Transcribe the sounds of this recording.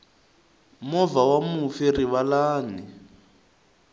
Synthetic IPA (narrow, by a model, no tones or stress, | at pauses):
mɔvawamufiriβalaːni